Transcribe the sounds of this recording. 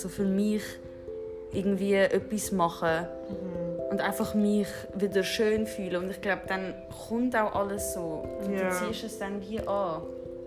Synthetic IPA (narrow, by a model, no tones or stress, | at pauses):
z̥oːfɪɾmiχ | ʔɪɡŋ̩tviːəʔœpismɑχə | ʊntaɪnfɑχmɪχ | vɪdəɾʃøːnfyːləʊntɪχɡ̥laʊb̚d̥an | kʊmtaʊʔɑləsz̥oːt͡siːʃəsd̥andiəʔɑː